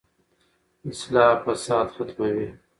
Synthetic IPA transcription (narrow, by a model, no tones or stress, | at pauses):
ɪslɑːpɐsɑːd̪xat̪mawiː